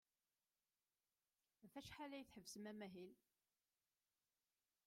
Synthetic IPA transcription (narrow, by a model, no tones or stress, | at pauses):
fæʃħalæjθħəvsəmæmæɦil